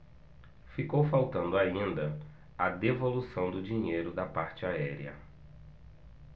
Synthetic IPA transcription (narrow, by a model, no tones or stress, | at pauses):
fikowfawt̪ɐ̃nd̪ʊaĩnd̪ɐ | ɐd̪evolusɐ̃w̃d̪ʊd͡ʒĩɲejɾʊd̪ɐpaɾt͡ʃɪaɛɾḭɐ̰